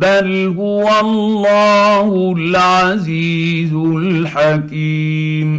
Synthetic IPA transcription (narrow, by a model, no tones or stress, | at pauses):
balɦʊwallˤːɑːhʊlʕaziː | zʊlħakiː | m